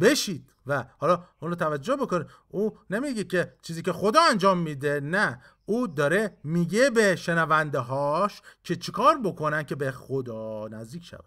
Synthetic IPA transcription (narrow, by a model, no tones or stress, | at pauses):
be̞ʃiːd̪̥væhɒːlɒːʔunɾɔːt̪ʰævæd͡ʒːo̞hbokonid̪ | uːne̞miɟecʰe̞t͡ʃʰiːziːce̞xo̞d̪ɒːænd͡ʒɒːmːid̪e̞næ | uːd̪ɒːɾe̞miːɟe̞beʃenævænd̪eɦɒːʃcʰe̞t͡ʃʰekʰɒːɾbo̞kʰo̞næn̚cʰe̞bexod̪ɒːnæzd̪iːkcʰʃæ̰væ̥